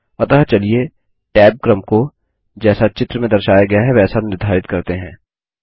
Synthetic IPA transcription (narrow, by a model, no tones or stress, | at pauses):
ɐt̪ɐɦt͡ʃɐlie | ʈɛːp̚kɾəmko | d͡ʒɛːsat͡ʃɪt̪ɾəmẽd̪ɐɾʃaːjaɡɐjaɦɛʋɛːsanɪɾd̪ʱaːɾɪt̪kɐɾt̪eɦɛ̃ː